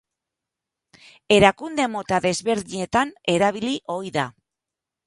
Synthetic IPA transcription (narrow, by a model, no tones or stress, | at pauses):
e̞ɾakund̪e̞mo̞t̪aðe̞zβe̞ɾðiɲe̞t̪ane̞ɾaβ̞iliʔo̞jða